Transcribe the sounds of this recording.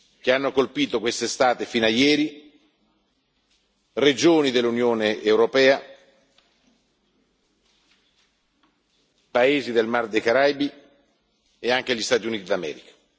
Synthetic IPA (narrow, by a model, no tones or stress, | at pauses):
k̟eanːokolpiːt̪okwest̪est̪aːt̪efiːnajɛːɾi | red͡ʒoːnid̪elːunjoːneʔːwɾopɛːa | paeːzid̪elmard̪ekaɾajbi | eaŋk̟eʎːist̪aːt̪̬iuniːt̪id̪amɛ̰ːɾikḁ